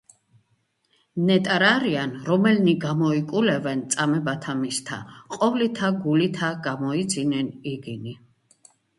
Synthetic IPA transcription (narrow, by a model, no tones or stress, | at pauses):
nɛt̪ʼaɾaɾianɾɔmɛlniɡamɔikʼulɛvɛnt̪sʼamɛbat̪ʰamist̪ʰa̰qʼɔvlit̪ʰaɡulit̪ʰaɡamɔid̪zinɛniɡini